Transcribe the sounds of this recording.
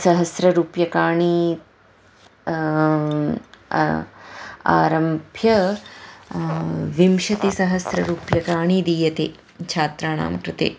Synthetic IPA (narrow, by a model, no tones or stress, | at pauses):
sɐɦɐsɾɐɾuːpjɐkaːɳi | a̰ːɾɐmbʱjɐ | ʋimʃɐt̪esɐɦɐsɾɐɾuːpjɐkaːɳid̪iːjɐt̪eː | t͡ʃʰaːt̪ɾaːna̰ːmkɾut̪ḛː